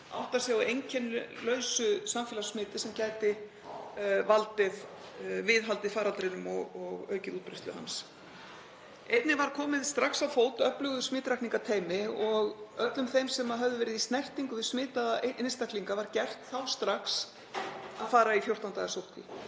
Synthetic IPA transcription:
a̰wht̪asjaejɲcʰɛnl̰lœːɥsʏsamfɛːlasmɪːt̪ɪ̥sɛmcaːjt̪ɪ | valt̪ɪð | vɪðɦalt̪ɪfaːɾalt̪ɾɪnʏmɔɣɔɣœɥcɪðut̪pɾeht̪ʏɦa̰ns | ejt̪nɪvaɾ̥kʰɔːmɪðst̪ɾaksawfoːwt̪œplʏɣðʏsmɪːt̪ɾajkniŋkat̪ʰeːjmɪɔɣœt̪lʏmθejmsɛmaɦœvðʏvɛːɾɪðist̪nɛr̥t̪iŋkʏðɪ̥smɪːt̪aðaeʔɪnst̪ahkliŋkavaɾcɛr̥t̪θawst̪ɾaks | aðfaːɾaifjowr̥t̪awnt̪aːɣasowht̪ɪ̰

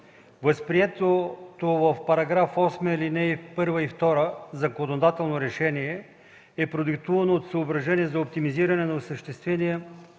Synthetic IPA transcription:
vəspɾiɛt̪ot̪ovəfpɐɾɐɡɾafɔsməilinɛipɤɾvəift̪ɔɾəzɐkonod̪at̪ɛlˠnoɾɛʃɛniɛ | ɛpɾod̪ɛk̚t̪uvɐnoːt̪səobɾɐʒɛniɛzɐop̚t̪imiziɾɐnɛnɐosəʃt̪ɛst̪vɛniɛ

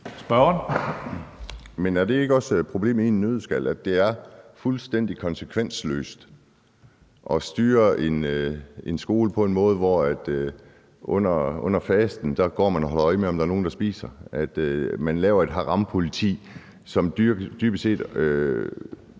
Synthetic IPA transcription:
sb̥ɶɐn | menæɐd̥e̝e̝ɡ̥əɒ̽spʰʁo̝b̥le̝̰ːminːøð̞ˠsɡ̥æl̰æd̥e̝æɐfulsd̥en̰d̥ikʰɒ̽nsekʰʋen̰slø̰ːsd̥ | ʔɒ̽sd̥yːɐe̝ne̝nsɡ̥o̝ːləpʰɒ̽e̝nmɔ̽ːð̞ˠʋɒæd̥ | ʔɔ̽n̰ɐɔ̽n̰ɐfɛːsd̥n̩d̥ɑ̈ɡ̥ɒ̰ːmænɒɦɒ̽lɐɒ̽ɪəmeɒ̽md̥ɑ̈ɐno̝ːn̩d̥ɑ̈sb̥ḭːsɐʔæd̥mænlɛːʊɐe̝d̥ɦɑ̈ʁɑ̈mpʰo̝lit͡sʰḭː | sɒ̽myd̥yːb̥əse̝̰ːd̥

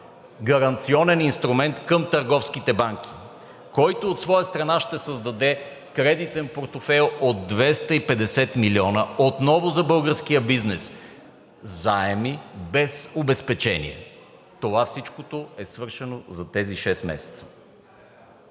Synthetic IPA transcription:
ɡɐɾɐnt̪siɔnɛninst̪ɾumɛnt̪kəmt̪ɐɾɡɔfskit̪ɛbaŋk̟ʲi̥ | kɔjt̪oːt̪svɔjəst̪ɾɐnaʃt̪ɛsəzd̪ɐd̪ɛ | kɾɛd̪it̪ɛnpoɾt̪ofɛlˠod̪̚ːvɛst̪ɐipɛd̪ɛsɛt̪miliɔnəot̪nɔvozɐbɤlˠɡəɾsk̟ijəbiznɛs | zaɛmibɛsobɛspɛt͡ʃɛnḭɛ̰ | t̪ovafsit͡ʃkot̪oɛsvɤɾʃɛnozɐt̪ɛziʃɛsmɛ̰sɛ̥t̪sə̥

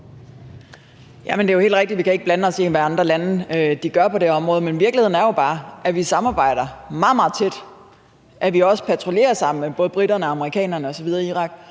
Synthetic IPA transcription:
jʔæmənd̥e̝johe̝ːldʁeɡ̥̚d̥i̥dʋikʰæe̝ɡ̥̚b̥lænəɒ̽se̝̰ːʋæɑ̈nd̥ʁɐlænəd̥iɡ̥ɶɐpʰɒ̽d̥e̝ɒ̽mʁɔ̽ːð̞̩ˠmenʋiɐɡ̥lihe̝ð̞̰ˠn̩æɐjo̝b̥ɑ̈ːʔæʋisɑ̈mɑ̈ːb̥ɑ̈ɪ̰ɾ̥ɐmɑ̈ð̩ˠmɑ̈ːð̩ˠt͡sʰe̝d̥ | ʔæʋiɒ̽sə̥pʰæt͡sʰʁo̝le̝̰ːɐsɑ̈m̰n̩b̥ɔ̽ːð̞ˠb̥ʁidɐnəɑ̈məʁikʰɛ̰ːnɐnəɒ̽sɒ̽ʋið̞ˠɐiiːʁɑ̈ɡ̥

